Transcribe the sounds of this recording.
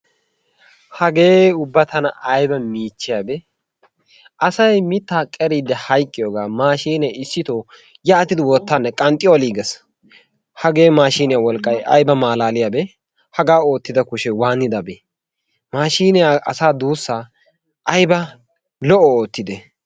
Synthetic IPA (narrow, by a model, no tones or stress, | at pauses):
hɐɡe̞ːʊbːɐt̪ɐnɐʔɐjbɐmiːt͡ʃːɪjabɛ | ʔɐsɐjmɪt̪ːaːkʼɛɾiːd̪ɛhɐjkʼːɪjoːɡaːmaːʃiːnɛjɪsːɪt̪oː | jaːt̪ːɪd̪ɪwɔt̪ːanːɛkʼɐnt̪ʼːɪjoliːɡɛs | hɐɡe̞ːmaːʃiːnɪjawɔlkʼːɐjʔɐ̰jbɐmaːlaːlɪjabɛ | hɐɡaːo̞ːt̪ːɪd̪ɐkʊʃɛwaːnːɪd̪ɐbe | maːʃiːnɪjaʔɐ̰saːd̪uːsːa | ʔɐjbɐ | lɔʔɔoːt̪ːɪd̪ɛ